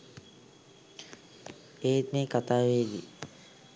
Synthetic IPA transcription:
eːt̪nekat̪aːʋeːd̪ḭ

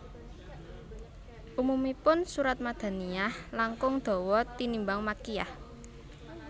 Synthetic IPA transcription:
ʔumumipʊnsuɾat̪̚mad̪̥a̤niahlaŋkʊŋd̪̥o̤wɔt̪inimbaŋmakija̰h

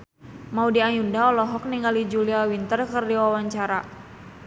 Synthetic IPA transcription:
maudiajundaɔlɔɦɔk̚niŋɡalid͡ʒuliawint̪ərkərdiwawaɲt͡ʃaɾa

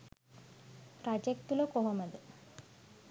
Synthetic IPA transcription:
pɾad͡ʒek̚t̪ulokoɦɐmɐd̪ɨ

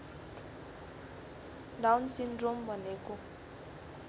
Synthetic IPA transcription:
dawnsindrombɔneku

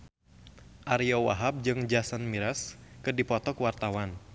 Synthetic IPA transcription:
ʔaɾiɔwa̰ɦap̚d͡ʒɨŋd͡ʒasanmiɾaskɨrdipɔt̪ɔkuwart̪awan

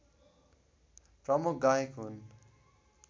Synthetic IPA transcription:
prʌmuk̚ɡajekɦun

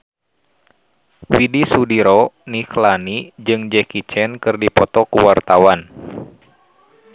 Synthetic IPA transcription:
widisudiɾɔniklanid͡ʒɨŋd͡ʒɛkit͡ʃɛnkɨrdipɔt̪ɔkuwart̪awan

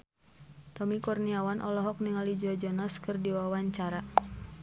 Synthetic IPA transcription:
t̪ɔmikɔrniawanʔɔlɔɦɔk̚niŋalid͡ʒɔd͡ʒɔnaskɨrdiwawaɲt͡ʃaɾa

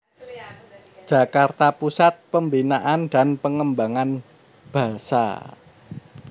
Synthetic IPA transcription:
d͡ʒ̥ä̤kart̪apusat̪̚pəmbinaʔanda̤npəŋəmbaŋan | b̥ä̤sa̰

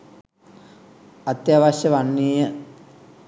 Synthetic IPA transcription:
at̪jaːʋaɕəʋanːiːjə

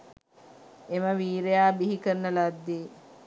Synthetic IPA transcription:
eməʋiːɾejaːbiɦikənːəlad̪ːeː

